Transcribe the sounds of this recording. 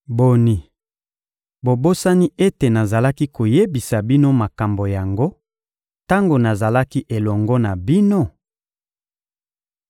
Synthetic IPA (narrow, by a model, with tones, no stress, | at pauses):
bo˨ni˨ | bo˨bo˦sa˦ni˦e˦te˨na˨za˨la˦ki˦ko˨je˦bi˨sa˨bi˦no˦ma˨ka˨mbo˨ja˨ŋɡo˦ | ta˦ŋɡo˨na˨za˨la˦ki˦ʔe˨lɔ˨ŋɡɔ˦na˨bi˦no˦˨